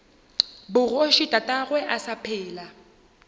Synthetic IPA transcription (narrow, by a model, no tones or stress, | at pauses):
bʊroʃitʼatʼaɣwɛʔasapʰɛːla